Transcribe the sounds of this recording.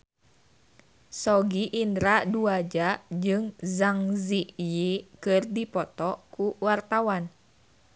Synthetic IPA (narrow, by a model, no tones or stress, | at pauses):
sɔɡiʔindɾaduad͡ʒad͡ʒɨŋzaŋzijikɨrdipɔt̪ɔkuwart̪awan